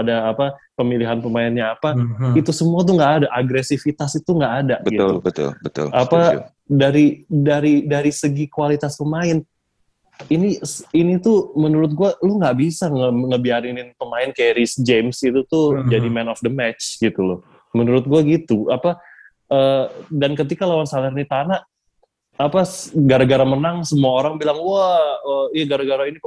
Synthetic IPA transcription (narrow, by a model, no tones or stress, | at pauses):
adaːpapəmiliɦanpəmaɪnɲaːpait̪usəmuat̪̬uŋɡaːdaʔaɡɾesifit̪asit̪uŋɡaʔːdaʔbəɡit̪lubət̪ʊ̰lbət̪ʊ̰lapa̰ | daɾidaɾidaɾisəɡikualit̪aspəmaɪn | inisinit̪umənuɾʊt̪̚ɡualʊhŋɡaʔbisaŋəŋəbiaɾɪnɪnpəmaɪnkajaɾisd͡ʒemsit̪ut̪ud͡ʒadimɛnɔfd̪əmɛt͡ʃɡit̪ulʊ | mənuɾʊt̪̚ɡuaɡit̪uapa | ʔədankət̪ikalawansalərnit̪anaʔ | apaɡaɾaɡaɾamənaŋsəmuaoɾaŋbilaŋwaəijaɡaɾaɡaɾaini